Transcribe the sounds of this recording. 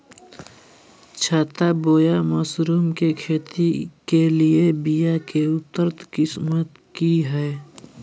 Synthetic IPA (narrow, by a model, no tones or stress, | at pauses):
t͡ʃʰaːt̪aboːjaməsɾuːmkekʰeːt̪ikeliebijakeʊt̪ːəɾt̪kɪsmət̪ | kiɦɛː